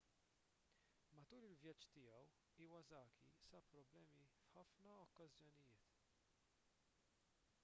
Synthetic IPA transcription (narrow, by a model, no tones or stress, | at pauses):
mɐt̪uːɾɪlvjɐt͡ʃːt̪ɪjɐw | iːwɐzɐːkʰḭsɐpɾɔblɛːmifħɐfnɐɔkːɐzjɔnɪjɪːt̪